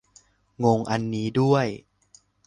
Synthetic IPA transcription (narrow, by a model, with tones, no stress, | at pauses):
ŋo˧ŋʔa˧nːiː˦˥du˥˩əj